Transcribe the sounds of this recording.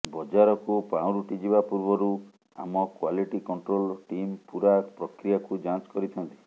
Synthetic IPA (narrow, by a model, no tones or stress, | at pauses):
bɔd͡ʒaɾɔkupãw̃ɾuʈid͡ʒibapuɾbɔɾu | a̰mɔkwaliʈikɔɳʈɾolʈimpuɾapɾɔkɾijakud͡ʒãt͡ʃɔ̥kɔɾit̪ʰɔnt̪i̥